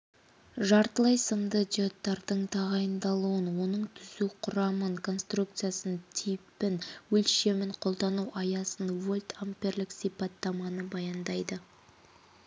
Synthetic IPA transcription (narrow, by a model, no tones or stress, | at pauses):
ʒɑɾt̪əlˠɑjsəmd̪əd̪jo̞t̪ːɑɾd̪̥əɴt̪ʰɑʁɑjənd̪ɑlˠuwənwo̞nəɴt̪ʰʏzuqʰʊɾɑməŋkʰo̞nst̪ruk̚t̪sɨjasənt̪ʰijpɪnwɵlʃe̞mɪɴqʰo̞lˠd̪ɑnuwʔɑjɑsənvo̞lʲt̪ʰampʲe̞rlɪksijpɑt̪ːɑmɑnəbɑjɑnd̪ɑjd̪ə